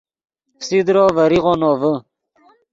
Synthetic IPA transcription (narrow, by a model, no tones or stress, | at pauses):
sid̪ɾoːvəɾiʁonoːvə